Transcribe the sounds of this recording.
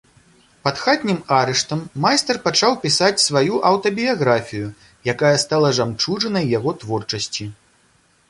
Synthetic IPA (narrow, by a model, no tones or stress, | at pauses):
pɐt̪xat̪ʲnʲimaɾɛʂt̪ɐmːajst̪ɛrpat͡ʂawpʲisat͡sʲsvajuʔɐwt̪ɐbʲijaɣɾafʲiju | jakajɐst̪alˠɐʐamt͡ʂuʐɐnɐjːaɣɔt̪vɔrt͡ʂɐsʲt͡sʲi